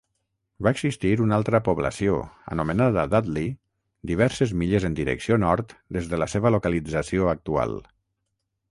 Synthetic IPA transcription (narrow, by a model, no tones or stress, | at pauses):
baeɡzist̪iɾunalˠt̪ɾəpuβlə̰sio̰ə̰numənaðəːðad̪li | d̪iβ̞ɛɾsezmiʎezənd̪iɾə̰ksionɔɾt̪d̪ezðələseβəlukəlid͡zəsioək̚t̪ua̰lˠ